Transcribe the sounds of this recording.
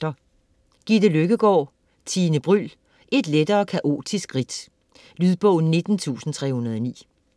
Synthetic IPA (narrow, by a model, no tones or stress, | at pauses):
ɐ | ɡ̥id̥eløɡ̥əɡ̥ɒ̰ː | t͡sʰiːnəb̥ʁyl | ʔe̝d̥led̥ɐːkʰæʔo̝̰ːd̥ʰisɡ̥ʁid̥ | lyðˠb̥ɔʊn̩ne̝d̥n̩t͡sʰṵːsn̩t͡sʰʁɛ̰hunɐðˠɒ̽nḭː